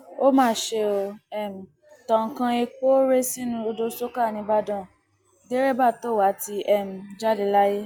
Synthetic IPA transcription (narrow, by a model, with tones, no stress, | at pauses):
o˦mãː˦˨ʃe˧o˧ɛ˦˨m̩˨ | tɔ̃˨kã˧e˧k͡po˦ɾe˦sĩ˦nũ˦o˧do˧so˦ka˦˨nĩ˧ba˦dɔ̃˦˨ | de˦ɾe˦ba˦˨to˨˦˨wa˨˦ti˧ɛ˦˨m̩˨d͡ʒa˦de˧la˦je˦